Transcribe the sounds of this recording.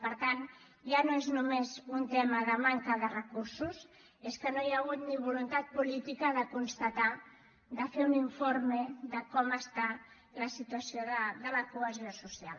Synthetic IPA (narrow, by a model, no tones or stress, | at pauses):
pəɾt̪an | ʒanoeznumezunt̪ɛməðəmaŋkəðərəkuɾsus | eskənojaɣ̞ut̪niβ̞ulunt̪at̪̚pulit̪ikəðəkunst̪at̪a | d̪əfeuniɱfoɾməðəkɔməst̪a | ləsit̪uəsioðəðələkuəziosusia̰l